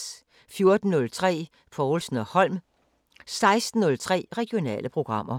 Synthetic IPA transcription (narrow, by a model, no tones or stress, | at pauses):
fjo̝ɐd̥n̩ːɔ̽lt͡sʰʁɛ̰ː | fʰɒːlsn̩ɒhɒ̽l̰m | sɑ̈ɪsd̥n̩ːɔ̽lt͡sʰʁɛ̰ːʁɛɡ̥io̝nɛ̰ːləpʰʁo̝ɡ̥ʁɑ̈m̰ɐ